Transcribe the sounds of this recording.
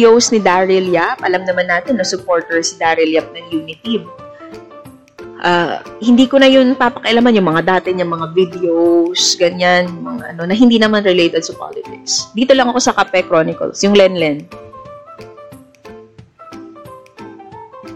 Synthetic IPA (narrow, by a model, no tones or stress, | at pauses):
owsnɪd̪aɹɪljapʔɐlɐmnɐmanːaːt̪ɛnːɐŋsʊpo̞ɹt̪ɛɹsɪd̪aːɾɪljap̚nɐŋjuːnɪt̪ib | ʔa̰hɪnd̪iːkonɐjʊnpapɐkɐʔɐlamanjʊŋmɐŋad̪aːt̪ɛɲɐŋmɐŋavid̪ɛowsɡɐɲanjʊŋmɐŋa̰ʔɐno̞nɐɦɪnd̪iːnɐmanɹɛlejt̪ɛd̪̚sʊpa̰lɪt̪ɪk̚sd̪iːt̪o̞lɐŋɐko̞sɐkapɛkɾonɪkɐ̰lsjʊŋlɛnlɛn